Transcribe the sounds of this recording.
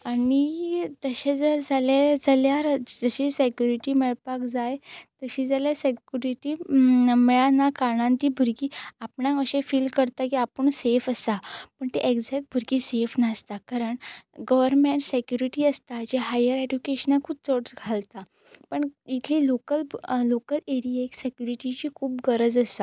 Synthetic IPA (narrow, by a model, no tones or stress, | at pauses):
anit̪əɕed͡zəɾd͡zalad͡zaljaɾd͡zəɕesekjuɾiʈimeɭpakd͡zajt̪əɕid͡zaljasekjuɾiʈimeɭanakaɽãnt̪iːbʱuɾkiːapɳãəɕẽfiːlkəɾt̪akiapəɳsefəst̪apəɳt̪eʔeɡd͡zɛk̚ʈ̚bʱuɾɡiːsefnast̪akaɾəɳɡəʋəɾmeɳʈsekjuɾiʈiːəst̪ad͡ʑeɦajəɾed͡ʑukeɕənakʰuːp̚t͡səɽsɡʱalt̪a | pəɳit̪ʰliːlokəllokəleɾieksekjuɾiʈit͡ɕiːkʰuːpɡəɾəd͡zəst̪a